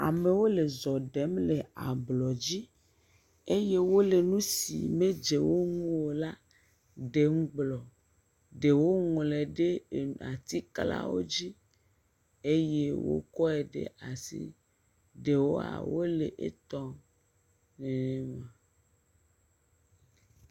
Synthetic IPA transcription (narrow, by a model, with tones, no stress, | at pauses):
a̰˨me˨wo˦le˨zɔ˨ɖɛ˨˦mle˨a̰˨blɔ˨d͡ʑi˦ | e˦je˦wo˦le˨nũ˦sḭ˨me˦d͡ʒe˨wo˦ŋũ˦wo˨la˦ | ɖe˨ŋ̩˦ɡ͡blɔ˨ | ɖe˨wo˦ŋɔ̃˨le˨ɖe˦˨a˨t̪i˦kla̰˦wo̰˦d͡ʑi˦ | e˦je˦wo̰˦kɔ˦e˨ɖḛ˨ʔa˨sḭ˦ | ɖe˨wo˦a̰˨wo˦le˨ʔḛ˦t̪ɔ˦ | ne˨nẽ˨mã˨